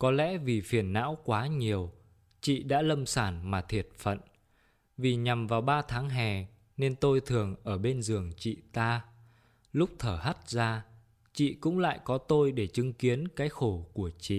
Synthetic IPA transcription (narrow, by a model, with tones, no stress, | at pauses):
kɔ˨˦lɛ̰˧˥vi˨˩fi˧˩ənːa̰ː˧˥wkwaː˨˦ɲi˨˩əw | t͡ɕḭ˧˨ɗa̰ː˧˥lə˧msaː˧˩nmaː˨˩t̪ʰi˨˩ət̚fə̰˧˨n | vi˨˩ɲa˨˩mvaː˨˩wɓaː˧t̪ʰaː˨˦ŋɦɛ˨˩ | ne˧nt̪o˧jt̪ʰɨ˨˩əŋʔəː˧˩ɓe˧nzɨ˨˩əŋt͡ɕḭ˧˨t̪aː˧ | lʊ˦˥k͡p̚t̪ʰəː˧˩ɦa˦˥t̚zaː˧ | t͡ɕḭ˧˨kʊ̰˧˥ŋ͡mla̰ː˧˨jkɔ˨˦t̪o˧jɗe˧˩t͡ɕɨ˨˦ŋki˨˦ənkaː˨˦jxo˧˩ku˧˩ət͡ɕḭ˧˨